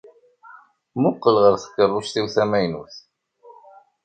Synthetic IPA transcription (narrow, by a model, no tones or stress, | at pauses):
mʊqːəlʁəɾθə̥kːərˤːʊʃθiwθæmæjnṵθ